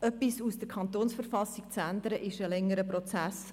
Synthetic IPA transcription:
œpisusd̥əɾkʰɑnt̪oːnsfəɾfɑsikt͡sænd̪əɾəʔɪʃəlɛŋːəɾəprot͡sæs

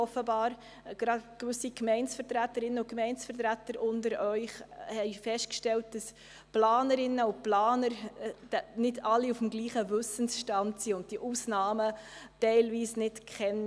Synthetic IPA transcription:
ɔfəbɑːɾ | ɡ̥ɾɑdkʋʏsikmɛɪnsfəɾtɾætːəɾɪnːəʊkmɛɪnsfəɾt̬ɾætəɾʔʊndəɾœʏχhɛɪfɛstkʃtɛlt̚d̥ɑs | plaːnəɾɪnːəʊplaːnəɾ̥ | nɪdɑlːiufm̩ɡliːχəvʏsənsʃtɑntsiːʊnt̚d̥iʔuːsnɑːmətɛɪlviːsnɪtkʰχɛn

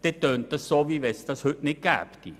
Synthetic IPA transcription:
t̪et̪ønt̪ːəsoʋiʋest̪ɑshønekæ̰pt̪ḭ

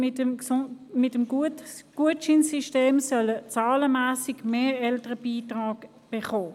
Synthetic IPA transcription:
ɪt | mɪtəmɡ̥uətʃɪnsiʃteːmsœlət͡saːləmaːsɪɡmeːɛltəʁəbiːtʁaːk | b̥eχoː

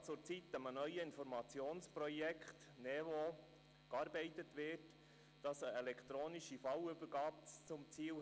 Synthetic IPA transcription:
t͡sʊɾt͡sitəmənœʏəɪnfɔɾmɑt͡sjoːnsprɾɔjɛkχt | nɛʋɔ | kɑːɾbɛɪtətʋɪt | d̥ɑsəɛlɛkt̪ɾoːniʃifɑwʏbəɾɡɑːp̚t͡sʊmt͡siːl

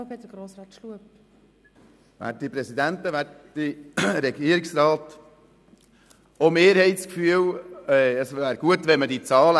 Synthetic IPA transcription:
pɛdəɡ̥ɾoːsɾɑːt̪ʃluəp | ʋæ̰ːt̚dipɾɛsid̪ænt̪əʋæːt | diɾɛɡiəɾiksɾɑːt̪ | omeːɾhɛɪt͡skfyəwɛəsʋæːɾɡ̥uət̪ʋɛnmədit͡sɑːlə

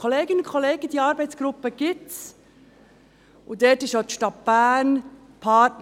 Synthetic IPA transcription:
oleːɡɪnʊnkʰχɔleːɡ̥əd̥̪iːɑːɾbɛɪtt͡sɡ̥ɾʊpːəɡ̥ɪts | ʊd̪ɛtɪʃjot̪ʃtɑtb̥æːn | pʰɑːt

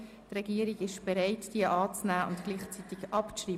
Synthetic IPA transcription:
t̪rɛɡ̥iəɾiɡɪʃb̥ɛɾɛɪtd̥iəʔɑːt͡snæːʊntɡ̥liːχt͡sit̪ikʔɑpriː

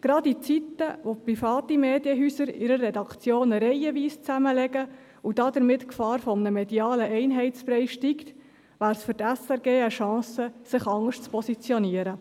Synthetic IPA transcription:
ɡ̥ɾɑdit͡sit̪ːəʋoprifɑːt̪imeːdiəɦysəɾɪɾərːɛdɑkt͡sjoːnəɾɛɪəʋiːst͡sæməlɛɡ̥ə | ud̥ɑd̪əɾmɪt̪kfɑːɾfɔmnəmɛdiɑːləʔɛɪnɦɛɪt͡spɾɛɪʃtikt̪ | ʋæːɾsfʏɾtæsɛɾɡeːəʃɑ̃ːsəsɪχɑŋəʂʃt͡spʰɔsit͡sjɔniəɾə

